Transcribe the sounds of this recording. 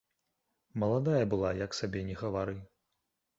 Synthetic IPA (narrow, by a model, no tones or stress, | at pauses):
mɐlˠad̪ajɐbɨlˠajɐksabʲɛnʲɛɣɐvaɾɨ